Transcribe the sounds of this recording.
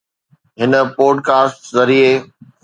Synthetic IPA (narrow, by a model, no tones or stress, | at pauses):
ɦɪnəpoːɖkaːsʈzɐɾie